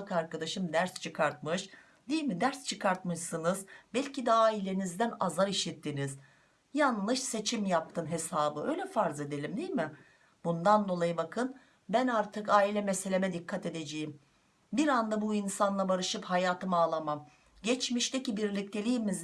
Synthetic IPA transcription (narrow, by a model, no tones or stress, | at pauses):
kaɾkad̪aʃɯmd̪æɾst͡ʃʰɯkʰaɾt̪̚mɯʃ | d̪ijilʲmid̪æɾst͡ʃʰɯkʰaɾt̪̚mɯʃsɯnɯzbælʲcʰid̪aːilʲenizd̪ænazaɾiʃit̪ʰːiniz | janlˠɯʃse̞t͡ʃʰimjap̚t̪ʰɯnɦe̞saːbɯø̞jlʲɛfaɾze̞d̪e̞lʲimd̪ijʲmɪ | bund̪and̪o̞lˠajɯbakʰɯn | bænaɾt̪ʰɯkaːilʲɛmese̞lʲe̞mɛd̪ikʰːat̪e̞d̪e̞d͡ʒejim | biɾand̪abuinsanlˠabaɾɯʃɯphajaːt̪ʰɯmaːlˠamam | ɟɛt͡ʃmiʃt̪ʰecibiɾlʲic̚t̪ʰe̞lʲijmiz